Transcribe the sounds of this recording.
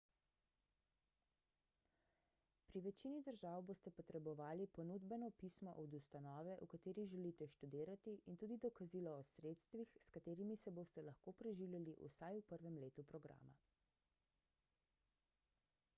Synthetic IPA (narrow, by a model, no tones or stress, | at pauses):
pɾiʋɛt͡ʃinid̪əɾʒaːwboːst̪ɛpɔt̪ɾɛbɔʋaːlipɔnud̪bɛnɔpismɔ̰ʔɔd̪ust̪anɔːʋɛʔukat̪eːɾiʒɛlit̪ɛʃt̪ud̪iːɾat̪iʔint̪uːd̪id̪ɔkazilɔːsɾeːt̪st̪ʋixskat̪eːɾimisɛboːst̪ɛlaɐxkoːpɾɛʒiwlʲjaliʔṵsajupəɾʋɛmleːt̪upɾɔɡɾa̰ːma̰